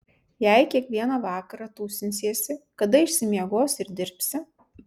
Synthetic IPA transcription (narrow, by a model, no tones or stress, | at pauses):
jɛɪkʲiɛkʋʲiɛnɐʋɑːkɐɾɑːt̪uːsʲɪnʲsʲiɛsʲɪkɐd̪ɐɪʃsʲɪmʲiɛɡoːsɪɾd̪ʲɪɾʲpʲsʲɪ